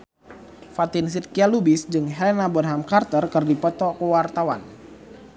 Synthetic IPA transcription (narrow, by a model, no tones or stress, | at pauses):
fat̪ins̬it̪̚kialubisd͡ʒɨŋɦɛlɛnabɔnɦamkart̪ərkɨrdipɔt̪ɔkəwart̪awan